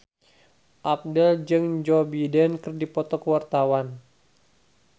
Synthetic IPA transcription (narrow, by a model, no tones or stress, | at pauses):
ʔap̚dəld͡ʒəŋd͡ʒɔbidɛnkɨrdipɔt̪ɔkəwart̪awan